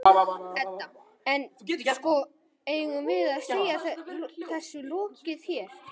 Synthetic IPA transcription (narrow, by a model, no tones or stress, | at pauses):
ɛa | ɛnskɔ | eːjɪɣʏmvɪðaðsejaθɛθɛsːʏlɔːcɪð̥çɛɾ̥